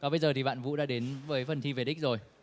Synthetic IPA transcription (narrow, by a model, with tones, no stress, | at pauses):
kɔ˨˦ɓə˧jzəː˨˩t̪ʰi˨˩ɓa̰ː˧˨nvṵ˧˥ɗa̰ː˧˥ɗe˨˦nvəː˨˦jfə˨˩nt̪ʰi˧ve˨˩ɗi˦˥k̟̚zo˨˩j